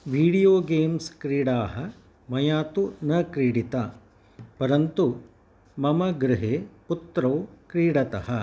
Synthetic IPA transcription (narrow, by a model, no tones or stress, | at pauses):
ʋiːɽijoːɡeːmskɾiːɽaːɦɐ | mɐjaːt̪unɐkɾiːɽit̪ɐ | pɐɾɐnt̪u | mɐmɐɡɾɪɦeːput̪ɾɐwkɾiːɽɐt̪ɐɦɐ